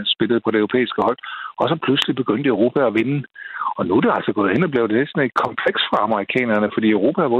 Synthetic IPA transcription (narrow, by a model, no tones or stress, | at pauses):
nsb̥e̝ləð̩ˠpʰɒ̽ɾeøʊʁo̝pḛːisɡ̥əhɒ̽l̰ɒ̽sɒ̽pʰluslib̥e̝ɡ̥øn̰d̥əøʊʁo̝ːpʰæɒʋe̝nəɒ̽nud̥e̝ælsɒɡ̥ɔ̽ːð̩ˠe̝nɒ̽b̥le̝ʊd̥ele̝d̥sɒ̽ne̝d̥̚kʰɒ̽mpʰleɡ̥sfʁɑ̈ɑməʁikʰɛ̰ːnɐnəfɒd̥ḭːʊʁo̝ːpʰæʋɔ